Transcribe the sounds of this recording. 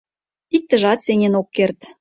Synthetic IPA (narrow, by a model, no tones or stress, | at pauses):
ik̚t̪ə̆ʒɑt̪senʲenokːert̪